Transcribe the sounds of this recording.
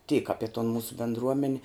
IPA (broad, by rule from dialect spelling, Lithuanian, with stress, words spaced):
tʲiːk ˈɑːpʲɪ toːn ˈmuːsʊ bʲeːndˈruɔmʲɛnʲ